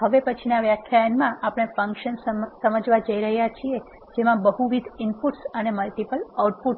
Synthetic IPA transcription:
ɦəʋepət͡ʃʰinaʋjakʰjajənmãʔapɽ̃efə̃ŋkʃənssəməd͡ʒʋad͡ʒəiɾəɦjat͡ʃʰie | d͡ʒemãbəɦuʋid̪ʱɪmpuʈsəneməlʈipəlawʈ̚puʈ

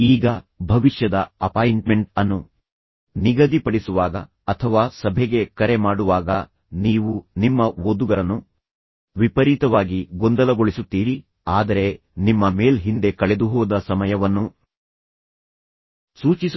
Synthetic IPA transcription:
iːɡɐbʱɐʋiʂjɐd̪ɐɐpaːjɳʈme̞ɳʈɐnːu | niɡɐd̪ipɐɽisuʋaːɡɐ̰ | ɐt̪ʰɐʋaːsɐbʱeɡe̞kɐɾe̞maːɽuʋaːɡɐ | niːʋunimːɐʋod̪uɡɐɾɐnːu | ʋipɐɾit̪ɐʋaːɡiɡond̪ɐlɐɡo̞ɭisut̪ːiːɾi | aːd̪ɐɾe̞ | nimːɐme̞ːlɦind̪e̞kɐɭe̞d̪uɦɔːd̪ɐsɐmɐjɐʋɐnːu | suːt͡ʃis

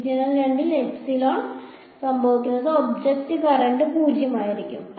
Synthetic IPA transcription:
d͡ʑɐnɐlʋeɳɖilepsiloː | sɐmbʱɐʋikʲːunːɐsɐobd͡ʑekʈikɐɾɐɳɖɨpuːd͡ʑʱjɐmaːjiɾikʲːum

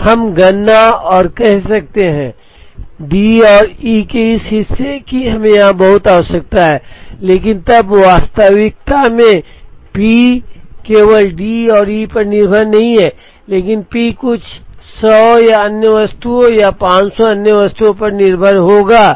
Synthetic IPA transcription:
hɐmɡɐnːaɔːɾkɛɦsɐk̚t̪eɦɛ̃ | ɖiːɔːɾiːkeɪsɦɪsːekiɦɐmẽjɐɦãbɐɦʊt̪aːsɐk̚t̪aɦɛːleːkɪnt̪ɐbʋaːst̪aʋɪk̚t̪amẽpiːkeːʋəlɖiːɔːɾiːpɐɾnɪɾbʱəɾnɐɦĩɦɛː | leːk̬ɪnpiːkʊt͡ʃʰsɔːjaɐnjəʋɐst̪uõjapãːt͡ʃsɔɐnjəʋəst̪uõpɐɾnɪɾbʱəɾɦoːɡaː

